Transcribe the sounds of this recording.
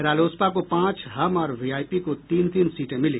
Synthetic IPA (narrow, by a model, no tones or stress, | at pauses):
ɾaːloːspakopãːt͡ʃɦɐmɔːɾʋiːaːjpikot̪iːnt̪iːnsiːʈẽmɪlĩ